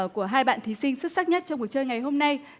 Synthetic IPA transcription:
ku˧˩əɦaː˧jɓa̰ː˧˨nt̪ʰi˨˦sï˧ŋ̟sɨ˦˥k̚sa˦˥k̚ɲə˦˥t̚t͡ɕɔ˧ŋ͡mku˨˩ət͡ɕəː˧jŋa˨˩jɦo˧mna˧j

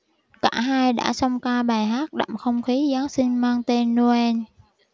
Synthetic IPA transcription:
kaː˧˩ɦaː˧jɗa̰ː˧˥sə˧wŋ͡mkaː˧ɓaː˨˩jɦaː˦˥k̚ɗa̰˧˨mxə˧wŋ͡mxi˨˦zaː˨˦sï˧ŋmaː˧ŋt̪e˧nːu˧ɛ˧n

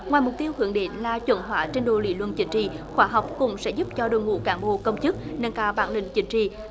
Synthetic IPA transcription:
ŋwaː˨˩jmʊ˨˩k͡p̚t̪i˧əwhɨ˧˩˦əŋɗe˨˦nlaː˨˩t͡ɕwə̰˧˩nɦwaː˧˨˦t͡ɕe˧nɗo˧˨lḭ˧˦lwə˧˨nt͡ɕï˨˦ŋ̟t͡ɕḭ˧˨xwaː˧˦ɦa˨˩wk͡p̚kʊ̰˧˥ŋ͡msɛ̰˧˥zʊ˦˥p̚t͡ɕɔ˧ɗo̰˧˨jŋṵ˧˥kaː˧˦nɓo̰˧˨kə˧wŋ͡mt͡ɕɨ˦˥k̚nə˧nkaː˧˩wɓaː˧˦nlï˧˨ŋ̟t͡ɕï˨˦ŋ̟t͡ɕḭ˧˨

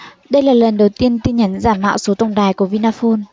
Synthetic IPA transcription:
ɗə˧jlaː˨˩lə˨˩nɗə˨˩wt̪i˧ənt̪i˧ɲə˨˦nzaː˧˩mːa̰ː˧˨wso˨˦t̪ə˧wŋ͡mɗaː˨˩jku˧˩əvi˧naː˧fo˧n

